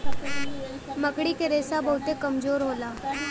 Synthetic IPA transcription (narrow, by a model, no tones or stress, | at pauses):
məkɽikeɾeːsabɐɦʊt̪ekɐmzoːɾɦoːlaː